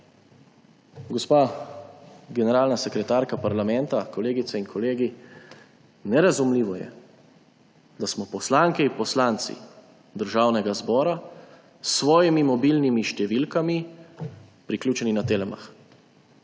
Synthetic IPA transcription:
ɡɔspaː | ɡɛnɛɾaːlnasɛkɾɛt̪aːɾkapaɾlamɛnt̪akɔleːɡit̪sɛinkʰɔleːɡi | nɛɾazumliːʋɔjɛ̰ | d̪asmɔpɔslaːŋkɛipɔslaːnt̪sḭ | d̪əɾʒaːwnɛɡazbɔːɾa | sʋɔːjimimɔbilnimiʃt̪ɛʋilkami | pɾiklʲjuːt͡ʃɛninat̪eːlɛma̰x

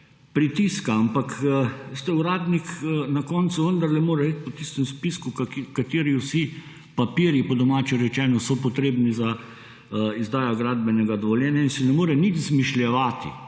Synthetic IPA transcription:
pɾit̪iskaampakst̪ɛuɾaːd̪niknakɔːnt̪suʋənd̪aɾlɛmoːɾɛit̪̚ʲpɔt̪ist̪ɛmspiskukkat̪eːɾiwsi | papiːɾjipɔd̪ɔmaːt͡ʃɛɾɛt͡ʃɛːnɔsɔpɔt̪ɾeːbniza | izd̪aːjɔɡɾaːd̪bɛnɛɡad̪ɔʋɔljɛːnjainsɛnɛmoːɾɛnit̪zmiʃljɛʋaːt̪ḭ

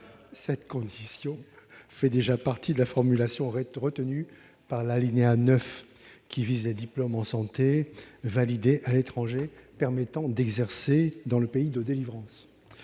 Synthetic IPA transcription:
sɛt̪kɔ̃d̪isjɔ̃fɛd̪eʒapaʁt̪ʰid̪əlafɔʁmylasjɔ̃ʁəʁət̪əny | paʁlalineanœf | kʲʰivizled̪iplɔmɑ̃sɑ̃t̪evalid̪eʔalet̪χɑ̃ʒepɛʁmɛt̪ɑ̃d̪ɛɡzɛʁsed̪ɑ̃ləpeid̪əd̪elivʁɑ̃s

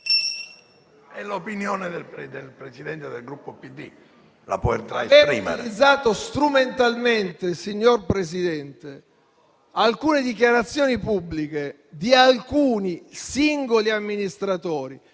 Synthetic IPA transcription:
ɛlopinjoːned̪elɾd̪elpɾesid̪ɛnt̪ed̪elɡɾupːopid̪ːḭ | la̰povḛrt̪aeveːɾḭːmḛɾid̪zːaːt̪ost̪ɾument̪alment̪esiɲːorpɾesid̪ɛnt̪e | alkuːned̪ikjaɾat̪sːjoːnipubːlike | d̪ialkuːnisiŋɡoliamːinist̪ɾat̪oːɾi

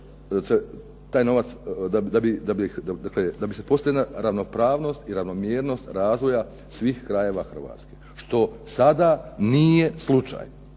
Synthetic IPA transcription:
se | t̪aːjno̞ʋat̪sd̪ad̪abid̪abid̪ad̪akled̪abisepo̞st̪aʋʲilaɾaʋno̞pɾaːʋno̞ːst̪iɾaʋno̞mjeːɾno̞st̪ɾaːzʋo̞ja | sʋiːxkɾaje̞ːʋaxr̩ʋa̰ːt̪ske̞ | ʃt̪o̞sad̪anijeslˠut͡ʃa̰ːj

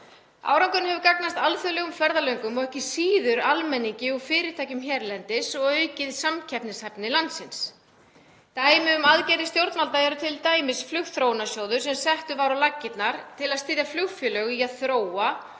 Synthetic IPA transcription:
a̰ːwɾawŋkʏnhɛvʏɾkaknast̪alθœlɛɣʏmfɛɾðalœɥŋkʏmɔɣɛhcɪsiːðʏɾalmɛnːiɲcɪufɪːɾɪɾt̪ʰaːjcʏmçɛɾlɛnt̪ɪsɔɣœːɥcɪðsamcʰɛpnɪshɛpnɪlant̪sɪns | t̪aːjmɪʏmaðcɛːjɾɪst̪jowɾt̪nalt̪aɛɾʏt̪ʰɪlt̪aːjmɪsflʏxθɾownasjoːwðʏɾ̥sɛmsɛht̪ʏvaɾawlacːɪt̪naɾ̥t̪ʰɪlaðst̪ɪːðjaflʏxfjœlœɣiaðθɾoːwa

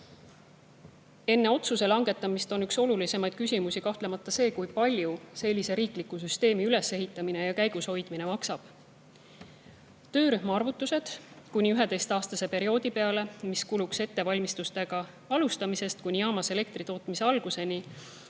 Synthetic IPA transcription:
e̞nːe̞o̞t̪suse̞lɑŋɡ̥e̞t̪ːˑɑmist̪o̞nykso̞lulise̞mɑjd̪̥kysʲimusikɑht̪le̞mɑt̪ˑːɑse̞ːkujpɑlʲjuse̞lʲːise̞ɾiːklikːˑusyst̪e̞ːmiyle̞se̞ɦit̪ˑːɑmine̞jɑkæjɡ̥usho̞jd̪̥mine̞mɑksɑb̥ | t̪ø̞ːɾyɦmɑɑrvut̪ːˑuse̞d̪̥kunʲiyɦe̞d̪e̞jst̪ɑːst̪ɑse̞pe̞ɾio̞ːd̪ipe̞ɑle̞miskulukse̞t̪ːe̞vɑlʲmist̪ust̪e̞ɡ̥ɑ | ɑlust̪ɑmise̞st̪̚kunʲijɑːmɑse̞le̞k̚t̪rit̪o̞ːt̪ːmise̞ɑlɡ̥use̞ni

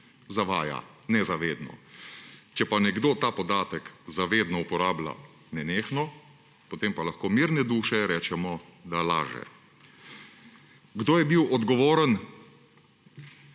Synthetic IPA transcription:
zaʋaːja̰ | nɛzaʋeːd̪nɔ̰ | t͡ʃɛpanɛɡd̪oːt̪aːpɔd̪aːt̪əkzaʋeːd̪nɔupɔɾaːbla̰ | nɛneːxnɔ | pot̪empalaxkoːmiːɾnɛd̪uːʃɛɾɛːt͡ʃɛmɔd̪ala̰ːʒɛ̰ | ɡd̪oːjɛbiwɔd̪ɡɔʋoːɾən

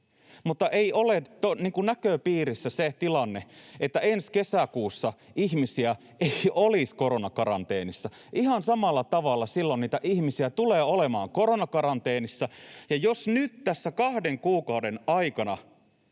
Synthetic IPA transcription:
mut̪ːɑʔeiʔolet̪oniːŋkunnækøːpiːɾisːæset̪ilɑnːeet̪ːæenskesækuːsːɑiçmisiæ | eioliskoɾo̞nɑkɑɾɑ̰nt̪eːnisːɑ | ʔihɑnsɑmɑlːɑt̪ɑʋɑlːɑsilːonniːt̪æʔihmisiæt̪uleːolemɑ̰ːŋko̞ɾonɑkɑɾɑnt̪eːnisːɑjɑjosnyt̪t̪æsːækɑhdeŋkuːkɑudenɑikɑnɑ

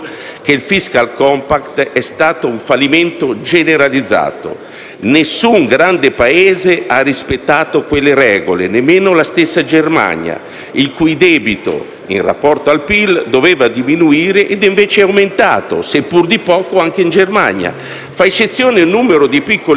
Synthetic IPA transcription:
keilfiskalkɔmpakt̪ɛst̪aːt̪oũɱfalːiment̪od͡ʒeneɾalid̪zːa̰ːt̪o̰ | nesːuŋɡɾand̪epaeːzeʔarːispet̪ːaːt̪okwelːeɾɛːɡolḛnemːeːnolast̪esːad͡ʒerma̰ɲa̰ | ilkujd̪ɛːbit̪o̰ | ḭnra̰pːɔrt̪oalpild̪ovɛːvad̪iminuiːɾeʔed̪iɱveːt͡ʃeawment̪a̰ːt̪o̰sepːurd̪ipɔːkoaŋk̟eind͡ʒerma̰ɲa̰ | faet͡ʃːet̪sːjoːneunːuːmeɾod̪ipikːol

